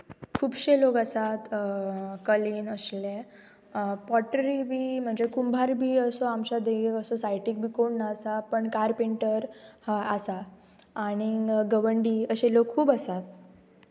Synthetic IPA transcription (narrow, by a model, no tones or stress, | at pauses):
kʰuːbɕelokəsat̪ | kəliːnəsle | pɔʈəɾibʱiːm̤əɳd͡zekumbʱaɾbʱiːəsɔamt͡ɕad̪eekəsɔsajʈik̚bʱiːkoɳnaəsapəɳkaɾpeɳʈəɾhaasaː | ɽ̃iɡəʋəɳɖiːəɕelokʰːuːbəsat̪̚